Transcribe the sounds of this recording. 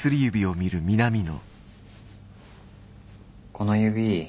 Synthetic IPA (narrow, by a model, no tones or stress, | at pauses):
sɨɾʲijɯ̟bʲio̞mʲiɾɯ̟mʲinamʲino̞̰ | konojɯbʲi